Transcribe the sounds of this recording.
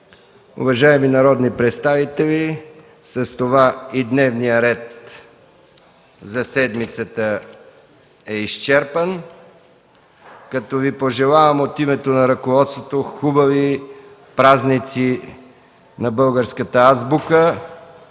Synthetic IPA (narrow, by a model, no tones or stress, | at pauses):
ṵvɐʒaɛminɐɾɔd̪nipɾɛt̪st̪avit̪ɛli | sɐst̪ovaid̪nɛvnijəɾɛt̪̚ | zɐsɛd̪mit̪sət̪ə | ɛiʃt͡ʃɛɾpən | kɐt̪ɔvipoʒɛlˠavɐmot̪imɛt̪onɐɾɐkovɔt̪st̪vot̪oxubɐvi | pɾaznit̪si | nɐbɤlˠɡəɾskət̪əazbukə